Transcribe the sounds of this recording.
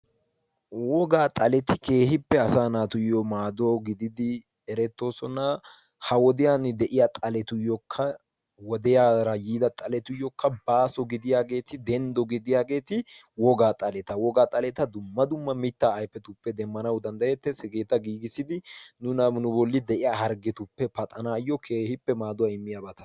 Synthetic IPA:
wɔɡaːt̪ʼɐlɛt̪ɪke̞ːhɪpːɛɐsaːnaːt̪ʊjɔmaːd̪oːɡɪd̪ɪd̪ɪ | ɛɾɛt̪ːo̞ːsɔnɐ | hɐwɔd̪ɪjand̪ɛʔɪjat̪ʼɐlɛt̪ʊjɔkʰːɐ | wɔd̪ɛjaːɾɐjiːd̪ɐt̪ʼɐlɛt̪ʊjɔkːɐbaːsɔɡɪd̪ɪjaːɡe̞ːt̪ɪd̪ɛnd̪ɔɡɪd̪ɪjaːɡe̞ːt̪ɪ | wɔɡaːt̪ʼɐlɛt̪ɐwɔɡaːt̪ʼɐlɛt̪ɐd̪ʊmːɐd̪ʊmːɐmɪt̪ːaːjpːɛt̪ʊpːɛd̪ɛmːɐnɐwd̪ɐnd̪ɐjɛt̪ːɛsɛɡe̞ːt̪ɐɡiːɡɪsɪd̪ɪnʊnɐmnʊbɔlːɪd̪ɛʔɪjaːhɐɾɡɛt̪ʊpːɛpɐt̪ʼɐnaːjːɔkʰeːhɪpːɛmaːd̪ʊwaɪmːɪjaːbɐt̪ɐ

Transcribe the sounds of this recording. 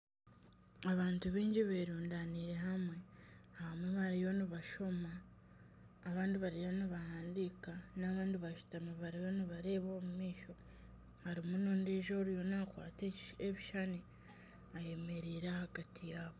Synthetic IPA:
aβaːntuβiːɲɟiβeːɾuːndaniɾe̞ɦamwe̞hahamweβaɾijo̞niβaʃo̞maː | βaːndiβaɾijoniβahaːndikanaβaːndiβaʃu̥tamaβaɾijo̞niβaɾe̞ːβoːmumiːʃo̞ | haɾimunuːndiːʒoːɾjo̞nakwa̰ːteeβiʃani | aje̞me̞ɾiːɾahaɡatʰijaːβo

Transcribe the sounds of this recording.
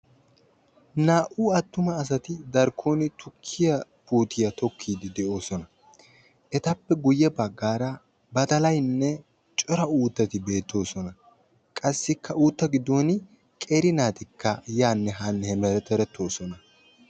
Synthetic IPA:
naːʔuːɐt̪ːʊmɐːs̬ɐt̪ɪd̪ɐɾkʰoːnɪt̪ʰʊkʰːɪjɐpuːt̪ʰɪjɐt̪ɔkʰːiːd̪ɪd̪ɛʔo̞ːsɔnɐ | ʔɛt̪ɐpːɛɡʊjːɛbɐɡːaːɾɐ | bɐt̪ɐlɐjnːɛ | t͡ʃʼɔɾɐuːt̪ːɐt̪ɪbe̞ːt̪ːo̞ːsɔnɐ | kʼɐsːɪkʰːɐuːt̪ːɐɡɪd̪o̞ːn | kʼeːɾɪnaːt̪ɪkːɐjaːnːɛɦanːɛhɛmɛɾɛt̪ːɛɾɛt̪ʰːo̞ːsɔnɐ

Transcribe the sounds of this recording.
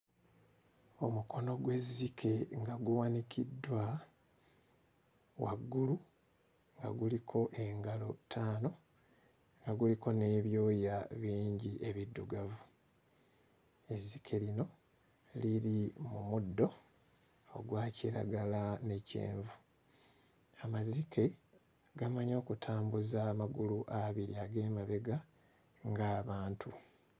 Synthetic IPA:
o̞mukʰo̞no̞ɡwe̞zːikʰe̞ŋɡaɡuwanikʰidːwa | waɡːulu | ŋɡa̰ɡulikʰo̞ʔe̞ŋɡalo̞tʰaːno̞ | ŋɡaɡuliko̞ne̞ːβjo̞ːjaβiːɲɟiʔe̞βidːuɡavu | e̞zikʰe̞lino̞ | liɾimumudːo̞̰ː | ɡwaːciɾa̰ɡalane̞cḛːɱvu | amazikʰe̞ | ɡamaɲo̞ːkutʰaːmbuzamaɡuluʔaβiɾiaɡe̞ːmaβe̞ɡa | ŋɡaːβaːntʰu

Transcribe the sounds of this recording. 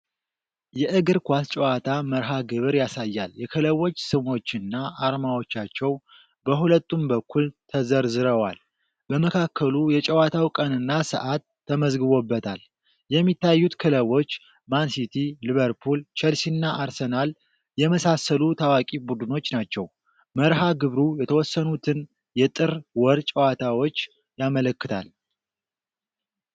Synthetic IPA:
jɛʔɨɡɨɾkʷast͡ʃʼɛwat̪ʰaməɾɦaɡɨβɨɾjasajːaljɛkʰɨləwo̞t͡ʃːsɨmo̞t͡ʃːɨnːaʔaɾmawo̞t͡ʃːat͡ʃːɛw | bəɦulət̪ːumbəkːult̪ʰəzəɾzɨɾəwa̰l | bəməkʰakʰːəlujɛt͡ʃʼɛwat̪ʰawkʼənɨnːasə̰ʔat̪ʰːəməzɡɨβo̞bːət̪ʰal | jɛmːit̪ʰːajːut̪kʰɨləβo̞t͡ʃː | mansit̪ʰiliβəɾpʰult͡ʃʰɛlsinːaʔaɾsenal | jɛməsasəlut̪ʰawakʼibud̪ɨno̞t͡ʃːnat͡ʃːɛw | məɾɦaɡɨβɾujɛt̪ʰəwɔsːənut̪ʰɨn | jɛt̪ʼɨɾwɔɾt͡ʃʼəwat̪ʰawo̞t͡ʃː | jamələkːɨt̪ʰa̰l

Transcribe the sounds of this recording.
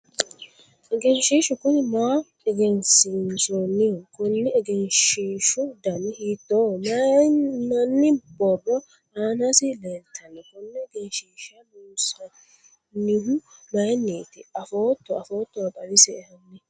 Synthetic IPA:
ɛɡɛnʃiːʃʊkʊnɪmaː | ɛɡɛnsɪnsɔnːɪhʊkʊnːɛɛɡɛnʃiːʃʊd̪ɐnɪhiːt̪ːoːmɐnɐnːɪbɔrːɔ | aːnɐsɪlelt̪ʰːɐnːɛkʊnːɛɛɡɛnʃiːʃɐnuːsɐ | nːɪɦʊmɐjnːeːt̪ɪɐfoːt̪ːɔɐfoːt̪ːɔwɐbɐɾɪsɛːhɐnːɛ

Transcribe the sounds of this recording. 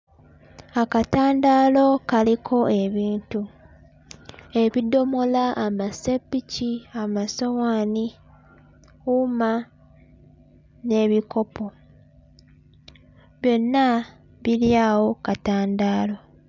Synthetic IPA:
akataːndaːlo̞kalikʰo̞ʔe̞βiːntu | e̞βido̞mo̞laʔːmasepːiciamasowaːni | uma | ne̞βiko̞po̞ | βjo̞nːa | βiljawo̞kataːndaːlo̞

